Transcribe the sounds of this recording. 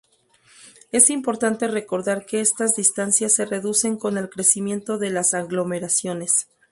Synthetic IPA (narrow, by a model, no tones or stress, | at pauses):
e̞simpo̞ɾt̪ant̪e̞re̞ko̞ɾðaɾke̞est̪azðist̪ansjasːe̞re̞ðuse̞ŋko̞ne̞lkɾe̞simje̞nt̪o̞ðe̞lasaɣlo̞me̞ɾasjo̞ne̞s